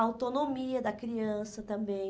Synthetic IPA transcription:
awt̪onomiɐd̪ɐkɾiɐ̃sɐt̪ɐ̃mbẽj̃

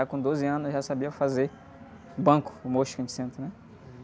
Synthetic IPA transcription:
akõd̪ozɪɐ̃nʊʒasabiɐfaze | bɐ̃kʊ̥moʃkɐ̃t͡ʃi̥sẽnt̪ɾʊnɛ

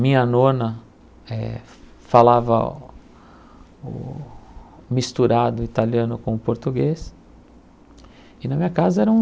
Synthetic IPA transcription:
mĩɲɐnõnɐ | ɛ̰ | falavɐ̰ | ʊ̰ | mist̪uɾad̪ʊit̪aliɐ̃nʊkõmʊpoɾt̪uɡes | ɪnɐmĩɲɐkazɐɛɾɐũ

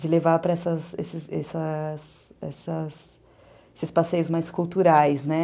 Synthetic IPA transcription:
d͡ʒɪlevapɾɐɛsɐsḛsɪzɛsɐsɛ̰sɐs | esɪspasejʊzmajskult̪uɾajznɛ

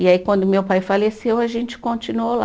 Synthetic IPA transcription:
iaikwɐ̃nd̪ʊmewpajfalesewɐʒẽnt͡ʃɪ̥kõnt͡ʃinuola

